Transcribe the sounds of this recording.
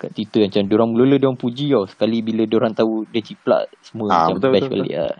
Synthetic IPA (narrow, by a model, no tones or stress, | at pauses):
ka̰ʔt̪it̪əmat͡ʃamdoɾaŋmulolədioaŋpud͡ʒiɔsə̥kalibilədoɾaŋt̪audiət͡ʃipla̰ʔsəmũəat͡ʃaɛska̰lḭa̰